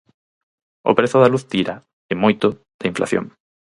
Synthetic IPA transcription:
ʊ̰pɾeθʊðaluθt̪iɾa | emojt̪ʊ | ð̥ɪiɱflʔa̰θjo̰ŋ

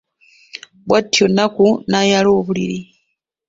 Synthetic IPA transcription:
bwatʰːiɔnakunajalɔβulḭɾi

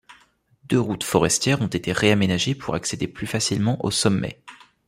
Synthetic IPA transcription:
d̪øʁut̪fɔʁɛst̪jɛʁɔ̃t̪et̪eʁeamenaʒepʰuʁaksed̪eplyfasilmɑ̃ʔosɔmːɛ̰

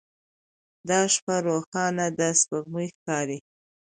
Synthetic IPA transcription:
d̪ɑʃpaɾoxɑnad̪əspəɣmujxkɑɾi

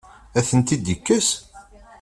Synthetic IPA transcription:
æθənt̪id̪ikːəs

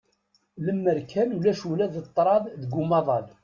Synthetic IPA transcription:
ləmːəɾkʰænulæʃulæðət̪ˤːɾˤɑðˤðəɡʊmɑðˤɑl

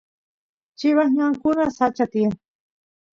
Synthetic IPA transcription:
t͡ʃɪβahɲaŋkʊnasat͡ʃat̪iaŋ

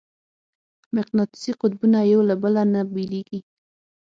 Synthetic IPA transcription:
mɪqnɑt̪ɪ̥siqʊt̪̚bunajawlabəlanabeleɡi

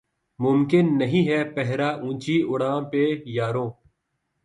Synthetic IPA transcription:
mʊmkɪnːɐɦĩːɦɛːpɛɦɾaːʔũːt͡ʃiːʊɽãːpejaːɾõː

